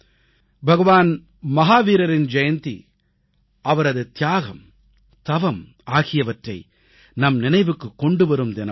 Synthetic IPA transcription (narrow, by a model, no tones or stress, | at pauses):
bʱɐɣɐʋaːn | mɐɦaːʋiːɾɐɾɪnd͡ʒɐjɐnt̪ḭ | ʔɐʋɐɾɐðɯt̪ɪjaːɣɐm | t̪ɐʋɐm | aːɣɪjɐʋɐʈrɐɪ | nɐmnɪnɐɪʋɯkːɯkːɔɳɖɯʋɐɾɯmd̪ɛnɐ